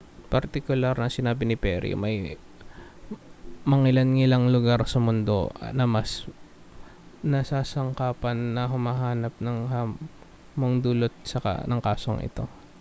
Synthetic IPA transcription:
pɐɾt̪ɪkʊlaɾnɐŋsɪnaːbɪnɪpɛɾḭmɐj | mɐŋɪlɐnŋɪlaŋlʊɡaɾsɐmʊnd̪o̞̰nɐmɐs | nɐsaːsɐŋkaːpɐnːɐɦʊmaɦaːnɐp̚nɐŋha | moŋd̪ulot̪̚sɐka̰nɐŋkaːso̰ŋʔɪ̰t̪o̞̰

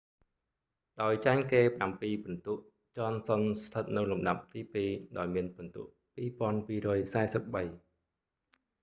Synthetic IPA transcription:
ɗaɔjt͡ɕaɛŋkeːpə̆ʔampiːpɑnt̪uəʔ | t͡ɕŏənsonst̪ʰət̪̚nɨwlumɗap̚t̪iːpiːɗaɔjmiənpont̪ŭəʔpiːpŏənpiːɾɔːjsaɛsəp̚ɓəj

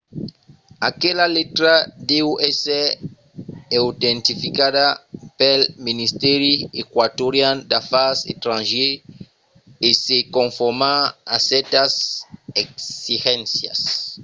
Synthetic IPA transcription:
akelalet̪ɾad̪ewese | ewt̪ẽnt̪ifikadapelminist̪ɛɾiekwat̪oɾjãnd̪afaset̪ɾãnʒe | esekõɱfoɾmaasɛɾt̪aseksixẽnsja̰s

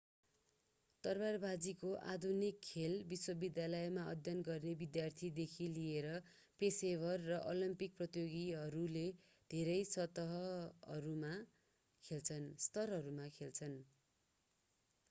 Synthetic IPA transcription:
t̪ʌrbarbad͡zikoʔa̰d̪ʱunikʰːelbiswʌbid̪jalʌjmaʌ̰d̪ʱjʌnɡʌrnebid̪jart̪ʰid̪ekʰilieɾʌ | pesebʱʌrːʌʔolimpik̚prʌt̪joɡiɦʌɾule | d̪ʱeɾʌjsʌt̪ʌɦʌʌɾuma | kʰelt͡sʰʌnst̪ʌrɦʌɾumakʰelt͡sʰʌn

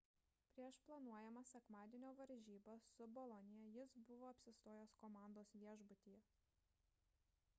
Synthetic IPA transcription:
pʲɾʲiɛʃplˠɐnuɔjɛmɐsʲɛkmɑːd̪ʲiɛnʲoːʋɐɾʲʒʲiːbɐsʊbɔlˠɔnʲɪjɛjɪsbʊʋoːɐpʲsʲɪst̪oːjoːskɔmɑˑnd̪oːsʋʲiɛʒbʊt̪ʲiːjɛ

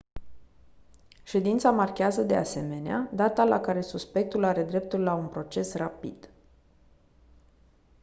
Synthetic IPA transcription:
ʃe̞d̪int̪samarkʲeazəd̪e̞ase̞me̞nead̪at̪alakaɾe̞suspe̞k̚t̪ulaɾe̞d̪ɾe̞p̚t̪ulːaunpɾo̞t͡ʃe̞srapḭd̪̥

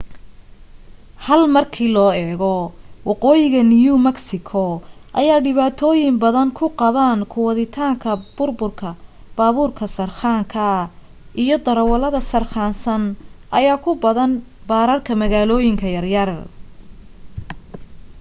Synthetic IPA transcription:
hɐlmɐrkʰiːlɔːɛːɣɔwɑqɔːjɪɣɐnɪjumɐksɪkʰɔʔɐ̰jaːɖɪβaːt̪ʰɔːjɪmbɐðɐŋkʰʊqɑβaːnkʰʊwɑðɪt̪ʰaːŋkʰɐb̥ʊrbʊrkʰɐ | b̥aːβuːrkʰɐsɐrχaːŋkʰɐ | ʔijɔd̪ɐɾɐwɐlɐðɐsɐrχaːnsɐnʔɐjaːkʰʊbɐðɐn | baːɾɐrkʰɐmɐɣaːlɔːjɪŋkʰɐjɐrjɐr

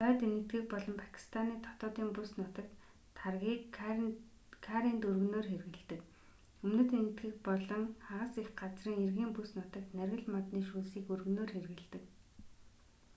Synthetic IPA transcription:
œːt̪enɘ̆t̪ɡɘ̆k̚pɔɮɞ̆mpʰḁkʰi̥st̪ʰaniːt̪ʰɔ̥t̪ɔːt̪iːŋpusnʊt̪ə̆k̚t̪ʰ | arɣʲiːk | kʰaɾint̪ɵrɣɵ̆noːrxerɣɘ̆ɮt̪ɘ̆k | ɵmnɘ̆t̪enɘ̆t̪ɡɘ̆k̚pɔɮɞ̆ŋχaʁə̆sexɢat͡sriːŋerɣiːmpusnʊt̪ə̆kt̪nærɣɘ̆ɮmɔt̪niːʃuːsiːkɵrɣɵ̆noːrxerɣɘ̆ɮt̪ɘ̆k

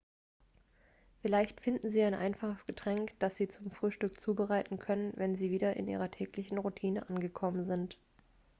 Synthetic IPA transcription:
fɪlaɪçtfɪndn̩ziːaɪnʔa̰ɪnfaχəsɡ̥ətʁ̥ɛŋkd̥asz̥iːt͡sʊmfʁ̥yːʃtʏk̚t͡suːbəʁaɪtn̩kʰœnənvɛnziːviːdɐʔɪ̰nʔḭːʁ̞ɐtʰɛːklɪçn̩ʁutʰiːnəʔanɡəkʰɔmənzɪnt

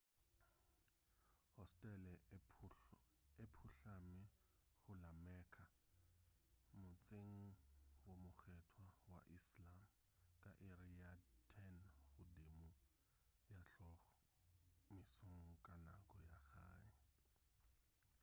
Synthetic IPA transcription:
hɔstʼɛlɛ | epʰuɬamɪɣʊlamɛkʰa | mʊt͡sʼeŋ̩womʊɣɛtʰwawa̰ʔislam | kʼaʔeriatʰɛnɣʊdemʊ | jaɬɔɣ | mɪsoŋ̩kʼana̰kʼɔjaɣa̰ːɪ

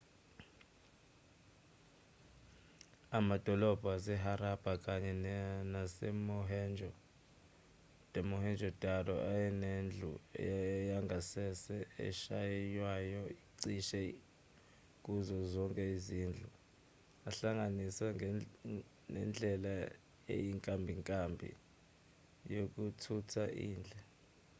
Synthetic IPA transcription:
amad̥ʱɔlɔb̥ʱasɛɦaɾab̥ʱakʼaɲɛnasɛmɔɦɛnd͡ʒʱɔ | d̥ʱɛmɔhɛnd͡ʒʱɔd̥ʱadɔʔajɛnend͡ɮʱṵ | jaŋɡʱasɛsɛɛ̰ʃajɛjwajɔiǀiʃɛ | kʼuzɔzɔŋkʼɛiziːnd͡ɮʱu | aɬaŋɡanisaŋ | nɛ̰nd͡ɮʱɛla | ḛjiŋkʼambʱiŋkʼambʱḭ | jok̬ʼutʰutʰaʔḭːnd͡ɮʱɛ

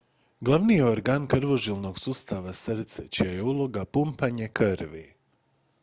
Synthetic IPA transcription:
ɡlˠaʋnijeoɾɡaːnkɾ̩ʋo̞ʒilˠno̞ɡsuːst̪aʋasɾt̪sḛt͡ʃijaje̞ulˠo̞ɡapumpaɲe̞kɨɾʋi

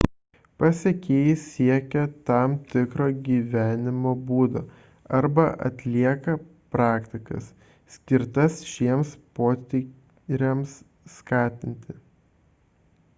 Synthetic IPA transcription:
pɐsʲekʲeːjɪssʲiɛkʲɛt̪ɑmt̪ʲɪkɾoːɡʲiːʋʲæːnʲɪmoːbuːd̪oː | ɐɾbɐʔɐ̰t̪ʲlʲiɛkɐpɾɑːkt̪ʲɪkɐ̰s | sʲkʲɪɾt̪ɐsʃʲiɛmspoːt̪ʲɪ | ɾʲɛmsː | kɑːt̪ʲɪnʲt̪ʲɪ

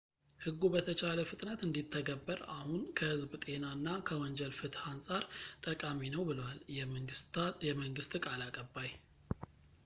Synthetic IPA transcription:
hɨɡːubət̪ʰət͡ʃʰaləfɨt̪ʼnət̪ɨnd̪it̪ʰːəɡəbːəɾahunkʰəhɨzbt̪ʼe̞naɨnːakʰəwɔɲd͡ʒɛlfɨt̪hansʼaɾt̪ʼəkʼaminəwbɨləwaljɛ | jɛməŋɡɨst̪ʼkʼalakʼəbːaj

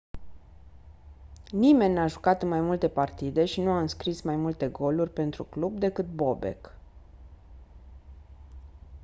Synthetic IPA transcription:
nime̞nʲːaʒukat̪ɨnmajmult̪e̞part̪id̪e̞ʃinuaɨnskɾismajmult̪e̞ɡo̞lurʲpe̞nt̪ɾṵklubd̪e̞kɨt̪̚bo̞be̞̰k

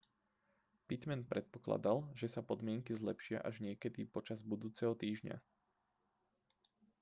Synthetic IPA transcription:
pit̪mɛnpɾɛt̪̚pɔ̥kla̰d̪alʒɛsapɔd̪mɪɛŋkizlɛpʃɪa̰ʔaʒɲɪɛkɛd̪ipɔt͡ʃazbud̪uːt͡sɛɦɔt̪iːʒɲa̰

